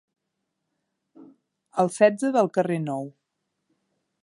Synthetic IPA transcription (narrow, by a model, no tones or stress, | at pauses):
əlˠsɛd͡zəðəlˠkərenɔw